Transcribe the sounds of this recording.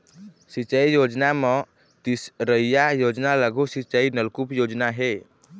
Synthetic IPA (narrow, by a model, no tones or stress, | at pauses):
sit͡ʃəijod͡ʒname | t̪isɾəijajod͡ʒnaləɡʱusit͡ʃəinəlkupjod͡ʒnaɦe